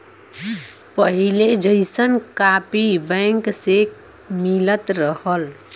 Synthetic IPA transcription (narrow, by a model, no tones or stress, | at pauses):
pəɦiled͡ʒəɪsənkapibə̃ŋkse | milət̪ɾəhəl